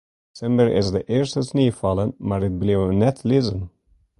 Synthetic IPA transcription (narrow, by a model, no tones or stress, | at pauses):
sɛmbəɹɪ̰zdəʔɪːɹstəsneːfɑlənmaːɹɪt̚blewnɛtʰlɪzən